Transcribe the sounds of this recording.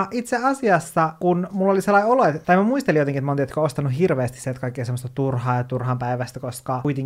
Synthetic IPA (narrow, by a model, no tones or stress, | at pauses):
ʔit̪seɑsiɑsːɑkunmulːoliselːɑioloet̪t̪ɑimæmuist̪elijot̪eŋkiet̪mont̪iet̪koost̪ɑnuɦirʋeːst̪isiet̪kɑikːesemːost̪ɑt̪urhɑːjɑt̪urhɑmpæiʋæst̪ækoskɑuit̪eŋ